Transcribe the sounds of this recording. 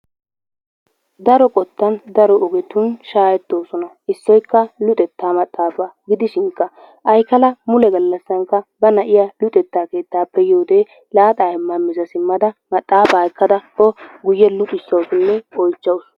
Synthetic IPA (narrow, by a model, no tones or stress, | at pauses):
d̪ɐɾɔkʼɔt̪ːɐnd̪ɐɾɔɔɡɛt̪ʊnʃaːjɛt̪ːo̞ːsɔnɐ | ɪsːɔjkːɐlʊt̪ʼɛt̪ːaːmɐt̪ʼːaːfaɡɪd̪ɪʃɪŋkːɐ | ʔɐjkɐlɐmʊlɛɡɐlːɐsːɐŋkːɐbɐnɐʔɪjalʊt̪ʼɛt̪ːaːke̞ːt̪ːaːpːɛjoːd̪e | laːt̪ʼaːhɛmːɐmːɪzɐsɪmːɐd̪ɐmɐt̪ʼːaːfaːkːɐd̪ɐkɔɡʊjːɛlʊt̪ʼɪsːɐwsɪnːɛɔjt͡ʃːɐwʊs